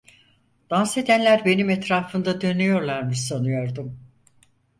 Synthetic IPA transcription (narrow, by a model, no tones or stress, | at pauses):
d̪̥anse̞d̪ænlʲæɾbe̞nimɛt̪ɾaːfɯnd̪ad̪ø̞nyjo̞ɾlˠaɾmɯsanɯjo̞ɾd̪um